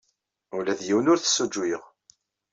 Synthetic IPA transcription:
ulæðjiwnʊɾθə̥sːud͡ʒːwiʁ

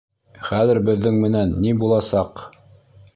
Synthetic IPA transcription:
χæðɘ̆ɾbɘ̆ðːɘŋmɘ̆nænːibulˠɑsɑq

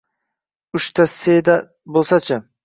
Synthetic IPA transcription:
ʊʃt̪ʰased̪a | bolˠsat͡ʃʰa

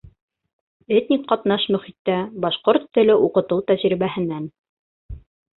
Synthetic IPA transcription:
et̪ʲnʲikqɑt̪nɑʃmɵ̆χit̪ːæbɑʃqoɾt̪ːɘ̆lɘʔuqɤ̆t̪ɤwt̪æʑɾiβæɦɘ̆næn

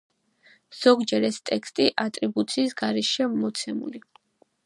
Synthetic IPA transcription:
z̥ɔɡd͡ʒɛɾɛst̪ʼɛkst̪ʼiʔat̪ʼɾibut̪sʰiːsɡaɾɛʃiamɔt̪sʰɛmṵli

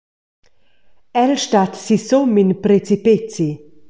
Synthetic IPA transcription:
ɛlʃtat̪sisominpɾet͡sipet͡si

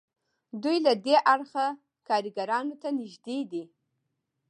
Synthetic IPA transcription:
dujladeʔaɽχa | kʰaɾiɡaɾɑnotʰanɪʒdedi

